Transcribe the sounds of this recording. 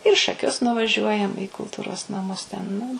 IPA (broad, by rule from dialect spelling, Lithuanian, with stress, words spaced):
ɪr iː ʃɐˈkʲʊs nʊʋɐˈʒʲuɔjɛm iː kʊlˠˈtuːroːs nɐˈmʊs tʲɛn nʊ